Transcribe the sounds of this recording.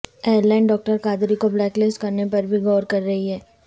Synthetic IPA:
eːəɾlaːɪnɖɔːk̚ʈəɾkaːd̪ɾikoblɛːklɪsʈkɐɾnepɐɾbʱiɡɔːɾkɐɾːɐɦiɦɛː

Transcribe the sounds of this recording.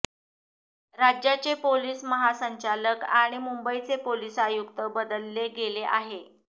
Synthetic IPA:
ɾad͡ʑjat͡ɕepoliːsməɦasəɲt͡ɕaləkaɽ̃imumbəit͡sepoliːsajukt̪əbəd̪əlːeɡeleʔa̰ɦe

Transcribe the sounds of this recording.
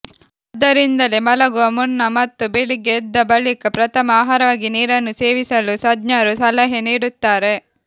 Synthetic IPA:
ɐd̪ɐɾind̪ɐlemɐlɐɡuʋɐmunːɐmɐt̪ːubeɭiɡeːd̪ːɐbɐɭikɐpɾɐt̪ʰɐmɐaːɦaːɾɐʋaːɡiniːɾɐnːuse̞ːʋisɐlusɐd̪ɲaːɾusɐlɛɦeniːɽut̪ːaːɾe̞

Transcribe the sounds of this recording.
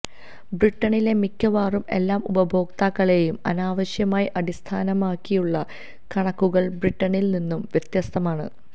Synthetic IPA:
briʈːɐɳile̞mikʲːɐʋaːrume̞̰lːaːmubɐbʱo̞ːkt̪aːkːɐɭe̞jumɐ̰naːʋɐɕjɐmaːjiʔɐdist̪ʰaːnɐmaːkːijuɭːɐ | kɐɳɐkːuɣɐɭbriʈːɐɳilninːumʋjet̪jɐst̪ʰɐmaːɳɨ̰

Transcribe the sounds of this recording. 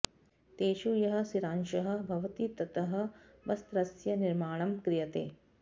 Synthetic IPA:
t̪eːʃujɐɦɐ̆siɾaːnʃɐɦɐ̆bʱɐʋɐt̪it̪ɐt̪ɐɦɐ̆ | ʋɐst̪ɾɐsjɐniɾmaːɳ̃ɐmkɾɪjɐt̪ḛː

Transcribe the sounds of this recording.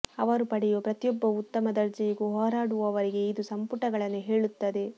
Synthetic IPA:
ɐʋɐɾupɐɽɛjupɾɐt̪jɔbːɐut̪ːɐmɐd̪ɐɾd͡ʒɐjiɡuɦɔːɾaːɽuʋɐʋɐɾiɡe̞id̪usɐmpuʈɐɡɐɭɐnːuɦe̞ːɭut̪ːɐd̪e̞

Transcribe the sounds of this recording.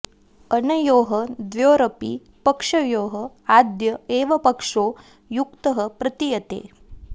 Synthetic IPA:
ɐnɐjoːɦɐd̪ʋjoːɾɐpḭ | pɐkʂɐjoːɦɐ | aːd̪jɐeːʋɐpɐkʂoː | jukt̪ɐɦɐpɾɐt̪ijɐt̪ḛː

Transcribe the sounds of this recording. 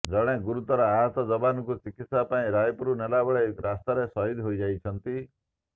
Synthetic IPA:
d͡ʒɔɽ̃ẽɡuɾut̪ɔɾɔaɦɔt̪ɔd͡ʒɔbanɔkut͡ʃikit̪sapaĩɾajpuɾunelabɔɭeɾast̪aɾesɔɦid̪ʱɦoid͡ʒajt͡ʃʰɔnt̪i

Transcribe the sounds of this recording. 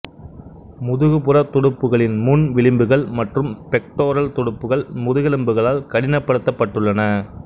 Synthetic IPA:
mʊðɯɣɯpɯrɐt̪ːɔɽɯpːɯɣɐɭɪnmʊnʋɪɭɪmbɯɣɐɭmɐʈrɯmpɛk̚ʈoːɾɐlt̪ɔɽɯpːɯɣɐɭmʊðɯɣɛlɯmbɯɣɐɭaːlkɐɽɪnɐpːɐɽɯt̪ːɐpːɐʈːɯɭːɐnɐ

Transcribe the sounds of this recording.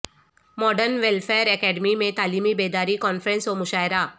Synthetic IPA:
mɔːɖəɾnʋelfeːɾɛkɛːɖmimẽt̪aːliːmibeːd̪aːɾikɔːnfɾə̃nsomʊʃaːɪɾaː

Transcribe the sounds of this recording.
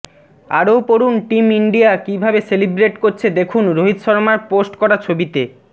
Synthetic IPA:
a̰ɾopoɾunʈimiɳɖijakibʱabeselibɾeʈkoɾt͡ɕʰed̪ekʰunɾoɦit̪ʃɔɾmaɾposʈkɔɾat͡ɕʰobit̪e

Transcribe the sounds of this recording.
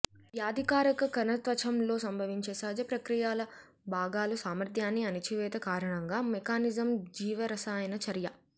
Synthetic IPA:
ʋjaːd̪ʱikaːɾɐkɐkɐnɐt̪ʋɐt͡ʃʰɐmlo̞ːsɐmbʱɐʋiɲt͡ʃeːsaːd͡ʒɐpɾɐkɾijaːlɐ | bʱaːɡaːlusaːmɾd̪ʱjaːnːiɐnit͡ʃiʋɛːt̪ɐkaːɾɐɳɐŋɡaːmekaːnizɐmd͡ʒiːʋɐɾɐsaːjɐnɐt͡ʃɐɾjɐ

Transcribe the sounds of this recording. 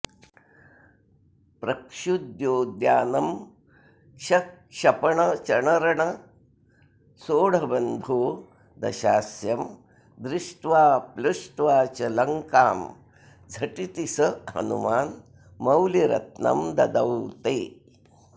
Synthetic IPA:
pɾɐkʂud̪joːd̪jaːnɐm | ɕɐkʂɐpɐɳɐt͡ʃɐɳɐɾɐɳɐ | soːɽ̤ɐbɐnd̪ʱoː | d̪ɐ̰ɕaːsjɐm | d̪ɾɪʂʈʋaːpluʂʈʋaːt͡ɕɐlɐŋkaːm | d͡zʱɐʈit̪isɐɦɐ̰nṵmaːn | mɐwliɾɐ̰t̪̚nɐ̰md̪ɐ̰d̪ɐwt̪eː

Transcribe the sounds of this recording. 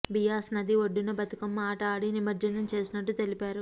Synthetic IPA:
bijaːsnɐd̪iʋoɖːunɐbɐt̪ukɐmːaːʈaːɽinimɐɾd͡ʒɐnɐmt͡ʃe̞ːsinɐʈːut̪e̞lipaːɾu

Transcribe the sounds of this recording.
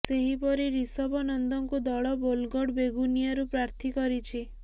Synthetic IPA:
seɦipɔɾiɾisɔbɔnɔnd̪ɔŋkud̪ɔɭɔbolɡɔɽbeɡunijaɾupɾaɾt̪ʰikɔɾit͡ʃʰi

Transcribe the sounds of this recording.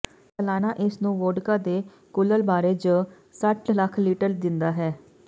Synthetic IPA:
t̪əlaːnaːʔɪsnũːʋoːɖkaːd̪eː | kʊləlbaːɾeːd͡ʒ | səʈləkʰliːʈəɾd̪ɪnd̪aːɦɛː

